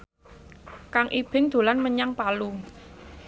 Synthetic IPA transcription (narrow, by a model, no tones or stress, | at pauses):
kaŋʔib̥ɪ̤ŋd̪̥o̤lanməɲaŋpalu